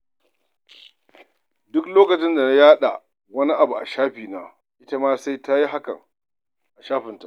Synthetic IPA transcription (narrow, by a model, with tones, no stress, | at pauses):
dʊ˦kloː˦kɐ˨t͡ʃɪ˦nda˨na˦jaː˦ɗa̰˨ | wɐ˦ni˦ʔa˨bu˨ʔa̰˨ʃaː˦ɸiː˨naː˦ | ʔɪ˦ta˦maː˦sa˦jta˦ji˦ɦa˦kɐ̰˨ŋ | ʔa˨ʃaː˦ɸɪ˨nta̰˨ʔ